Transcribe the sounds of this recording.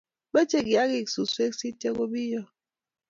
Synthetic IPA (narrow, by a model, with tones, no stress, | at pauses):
bɛ˦t͡ʃe˨ɡi˨a˦ɣi˦˨ksu˨swe˦ksi˦te˦ɣo˦bi˦jɔ˦